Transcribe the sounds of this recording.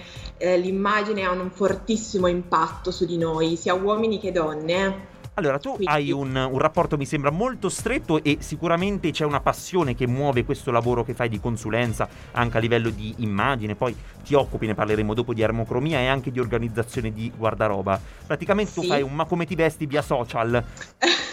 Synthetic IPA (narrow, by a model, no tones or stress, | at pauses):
limːaːd͡ʒineaunuɱfort̪isːimoimpat̪ːosud̪inoːjsiːawɔːminiked̪ːɔnːe | alːoːɾat̪uajununrapːɔrt̪omisembɾamolt̪ost̪ɾet̪ːoʔesːikuɾament̪et͡ʃɛunapasːjoːnek̟emːwɔːvekwest̪olavoːɾok̟efːajd̪ikonsulɛnt̪sa | a̰ŋkealːivɛlːod̪iːmːad͡ʒinepɔj | t̪iɔkːupineparleɾeːmod̪oːpod̪iarmokɾomiːaeaŋk̟ed̪iorɡanid̪zːat̪sːjoːned̪iɡward̪aɾɔ̰ːba | pɾat̪ikament̪et̪uuffajummakːomet̪ivɛst̪iviːasɔːt͡ʃal